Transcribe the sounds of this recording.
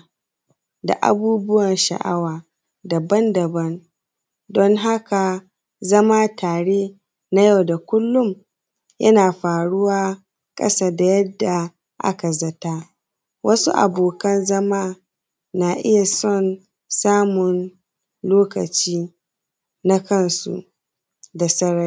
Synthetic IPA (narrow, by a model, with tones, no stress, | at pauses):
da̰˨ʔa̰˨buː˦bʊ˦wɐ˨nʃa̰˨ʔa̰˦waː˨ | da˨bɐ˦ndɐ˨bɐ˦n | dɔ˦ŋɦa˦ka˨ | zɐ˦maː˦tʰaː˨ɽeː˦ | na˦ja˦wda˨kʷʊ˦lːʊ˦m | jɐ˦naː˨ɸaː˨ɽʊ˦waː˦ | kʼɐ̰˦saː˦da˨jɐ˦dːa˨ | ʔa̰˦ka˨zɐ˦ta˦ | wʔɐ˦su˦ʔa̰˨boː˨kɐ˦nzɐ˦maː˦ | naː˨ʔɪ˦ja˨sɔ˦˨n | saː˦mʊ˨n | loː˦kɐ̰˨t͡ʃiː˦ | na˦kɐ˦nsṵ˦ | da˨sɐ˦ɽɐ˦